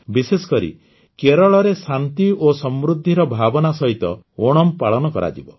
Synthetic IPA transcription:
bisesɔ̥kɔɾḭ | keɾɔɭɔɾesant̪iosɔmɾud̪ʱːiɾɔbʱabɔnasɔɦit̪ɔ | oɽ̃ɔmpaɭɔnɔkɔɾa̰d͡ʒibɔ

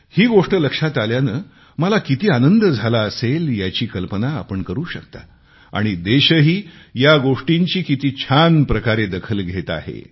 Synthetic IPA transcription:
hiːɡoʂʈələkʂat̪aljanə | məlakit̪iːanənd̪əd͡zʱalaəseljat͡ɕiːkəlpəna̰ːpəɳkəɾuːɕəkt̪a̰ | a̰ɽ̃id̪eɕəɦiːjaɡoʂʈiɲt͡ɕiːkit̪iːt͡ɕʰanpɾəkaɾed̪əkʰəlɡʱet̪a̰ɦḛ

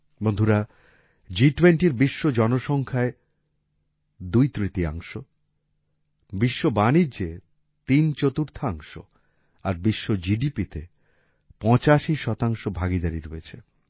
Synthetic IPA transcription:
bond̪ʱuɾa | d͡ʑiʈwenʈiɾbiʃːod͡ʑɔnoʃɔŋkʰae | d̪ujt̪ɾit̪ia̰ŋʃo | biʃːobanid͡ʑe | t̪int͡ɕot̪uɾt̪ʰaaŋʃo̰ | aɾbiʃːod͡ʑiɖipit̪e | pɔ̃t͡ɕaʃiʃɔt̪aŋʃobʱaɡid̪aɾiɾoet͡ɕʰe

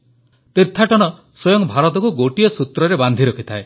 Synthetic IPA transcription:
t̪iɾt̪ʰaʈɔɽ̃ɔ | sojɔŋbʱaɾɔt̪ɔkuɡoʈiɔsut̪ɾɔɾeband̪ʱiɾɔkʰi̥t̪ʰae

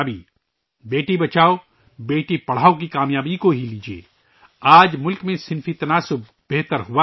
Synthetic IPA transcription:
bi | beːʈibɐt͡ʃaːo | beːʈipɐɽ̤aːokikaːmjaːbikoɦiliːd͡ʒiḛː | aːd͡ʒmʊlkmẽsɪnfit̪ɐnaːsʊb̚ | beɦt̪əɾɦʊʋa

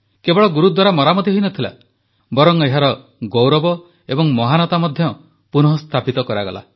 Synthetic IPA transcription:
kebɔɭɔɡuɾud̪waɾamɔɾamɔt̪iɦoinɔt̪ʰila̰ | bɔɾɔŋeɦaɾɔ | ɡowɾɔbɔ | ebɔŋmɔɦanɔt̪amɔd̪ʱjɔ | punɔɦɔst̪ʰapit̪ɔkɔɾaɡɔ̰la̰

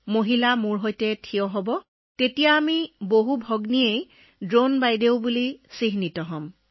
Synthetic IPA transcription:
moɦilamʊɹɦojtɛtʰijɔɦɔbɔ | tetijaːmiboɦubʱɔɡniej | dɹonbajdeʊbulisiɦnitɔɦɔm

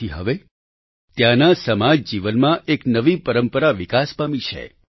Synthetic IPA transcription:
iɦə̰ʋe | t̪jãnasəmad͡ʒd͡ʒiʋənmãʔeknəʋipəɾəmpəɾaʋikaspamit͡ʃʰḛ

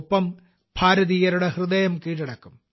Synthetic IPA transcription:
pːɐm | bʱʰaːɾɐðiːjɐɾuɽehrɨðɐjɐmkiːʈiɽɐkːum

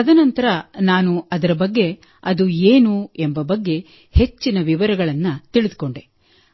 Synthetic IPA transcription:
ɐd̪ɐnɐnt̪ɐɾɐnaːnuɐd̪ɐɾɐbɐɡːe̞ | ɐd̪ueːnuembɐbɐɡːe̞ | he̞t͡ʃːinɐʋiʋɐɾɐɡɐɭɐnːɐt̪iɭid̪ko̞ɳɖe

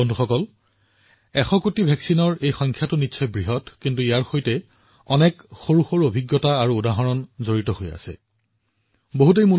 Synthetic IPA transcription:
ɔndʱuxɔkɔl | ɛxɔkutibʱɛksinɔɹejxɔjŋkʰjatʊnitːsʰɔjbɹiɦɔtkintuijaɹxojtɛ | ɔnɛkxoɹuxɔɹobʱiɡjɔtaːɹuːdaɦɔɹɔnzoɹitɔɦoja̰sɛ̰ | boɦut̬ejmul

